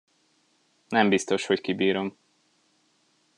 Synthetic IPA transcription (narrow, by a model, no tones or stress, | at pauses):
nɛmbist̪o̞ʃho̞ckibiːɾo̞m